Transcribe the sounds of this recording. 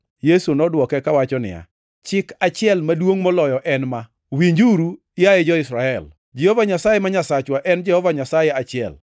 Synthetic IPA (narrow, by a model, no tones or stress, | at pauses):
jesunɔdwɔkɛkawat͡ʃɔnɪ̰ja̰ | t͡ʃɪkat͡ʃɪɛlmadwoŋmɔlɔjɔʔɛnma | wiɲd͡ʒuɾu | ɪajed͡ʒɔɪsɾaɛl | d͡ʒɛhɔvaɲasajemaɲasat͡ʃwaʔɛnd͡ʒɛhɔvaɲasajeat͡ʃɪɛ̰l